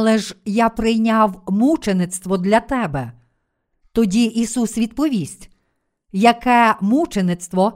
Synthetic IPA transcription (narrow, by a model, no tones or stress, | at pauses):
lˠɛʒjapɾɪjnʲawmut͡ʃenɪt̪st̪ʋɔd̪lʲɐt̪ɛbɛ | t̪ɔdʲiʔisusʋʲid̪pɔʋʲisʲtʲ | jɐkɛmut͡ʃenɪt̪st̪ʋɔ